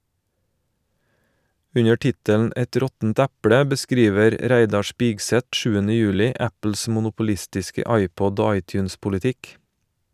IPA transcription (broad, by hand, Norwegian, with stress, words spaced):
ˈʉɲə ˈʈɪtənn̩ ˈɛt ˈɾɔtn̩t ˈɛpɽə bəˈskɾiːʋəɾ ˈɾæɪdɑ ˈspɪɡˌsɛt ˈʃʉːənə ˈjʉːlɪ ˈæpl̩s mʊnʊpʊˈlɪstɪskə ˈɑɪˌpɔd ˈoː ˈɑɪˌtjʉːnspʊlɪˌtɪk